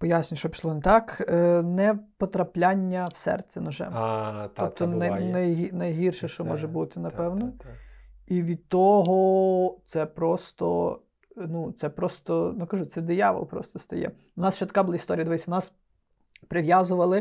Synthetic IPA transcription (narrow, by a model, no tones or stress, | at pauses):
pɔjasʲnʲɐʃt͡ʃɔpʲi̥slˠɔnɛt̪ɑknɛpɔt̪ɾɐplʲanʲːɐwsɛ̰rt̪t͡sʲɛnɐʒɛ̰mt̪ɔp̚t̪ɔnɐnɐjɦinɐjɦirʃɛʃt͡ʃɔmɔʒɛbut̪ɪnɐpɛwnɔ | iʋʲid̪̚t̪ːɔɦɔt̪sɛpɾɔst̪ɔ̰ | nut̪sɛpɾɔst̪ɔnʊkɐʒut̪ɛd̪ɪjɑʋɔ̰lˠpɾɔ̰st̪ɔst̪ɐjɛ̰ | ʊnɑsʃt͡ʃɛt̪kɑbʊlˠaist̪ɔɾʲjd̪ʋɛsʲɐʋnɑs | pɾɪʋjazʊʋɐlˠɪ